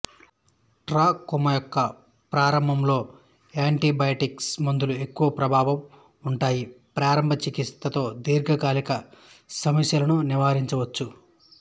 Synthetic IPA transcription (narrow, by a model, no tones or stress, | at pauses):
ʈɾaːkumɐjɔkːɐ | pɾaːɾɐmbʱɐmlo̞ː | aːɳʈibɐjɐʈiksmund̪ulue̞kːuʋɐpɾɐbʱaːʋɐm | uɳʈaːjipɾaːɾɐmbʱɐt͡ʃikit̪ːɐt̪o̞ːd̪iːɾɡʱɐɡaːlikɐ | sɐmɐsjɐlɐnuniʋaːɾiɲt͡ʃɐʋɐt͡ʃːu